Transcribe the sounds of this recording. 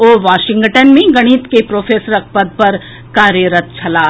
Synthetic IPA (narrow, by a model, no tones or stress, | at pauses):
oːʋaːʃɪ̃ŋɡʈənmẽɡɐɽ̃iːt̪kepɾoːfʰeːsəɾɐk̚ʰpəd̪̚pɐɾ | kaːɾjəɾət̪̚t͡ʃʰɐlaː